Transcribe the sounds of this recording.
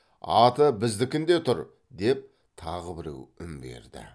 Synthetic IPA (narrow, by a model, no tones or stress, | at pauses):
ɑt̪əbɪzd̪ɪkʲɪnd̪e̞t̪ʰʊɾ | d̪e̞p̚ | t̪ʰɑʁəbɪɾe̞̰wɪmbe̞̰ɾd̪ɪ̰